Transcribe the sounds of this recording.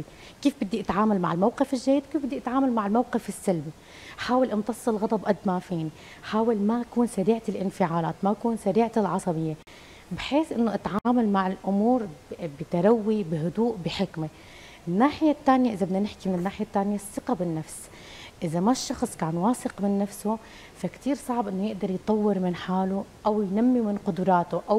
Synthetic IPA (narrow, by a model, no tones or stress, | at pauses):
i | kiːfbɪd̪ːiʔat̪ʕaːmalma̰ʕɪlmawqɪfɪlʒːajːɪd̪̚kiːfbɪd̪ːiʔat̪ʕaːmalmaʕɪlmawqɪfɪsːalbi | ħaːwɪlʔɪnt̪ɑsˤːɨlɣɑd̪ˤɑbʔad̪mafiːni | ħaːwalmakuːnsaɾiːʕalʔɪnfɪʕaːlaːt̪maʔkuːnsaɾiːʕalʕɑsˤɑbɪjːe | bħeːsʔɪnːoʔat̪ʕaːmalmaʕɪlʔʊmuːɾbɪt̪aɾˤawːibɪɦʊd̪uːʔbɪħɪkme | ɪnːaːħɪjat̪ːaːnɪjaʔɪzabɪnanɪħkimɪnɪnːaːħɪjat̪ːaːnɪjasːɪqabɪnːafs | ʔɪzamaʃːɑxsˤkaːnwɑːsɪqmɪnːafso | fakt̪iːɾsˤɑʕbʔɪnːojɪʔd̪ɑɾˤjt̪ˤɑwːɪɾmɪnħaːluʔawjnamːimɪnqʊd̪ʊɾˤɑːt̪oʔaw